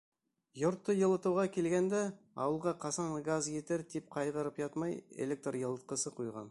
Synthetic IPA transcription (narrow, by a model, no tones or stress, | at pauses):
jʊɾt̪ːəjə̆lˠət̪uwʁɑkʲʰe̞lɡʲend̪e | ɑ̰wəlˠʁɑqʰɑsɑnɡazjet̪eɾd̪ʰep̚qʰɑjʁəɾəpʒɑt̪mɑjḛlʲek̚t̪rjəlˠət̪̚qəsəqʰujʁɑ̰n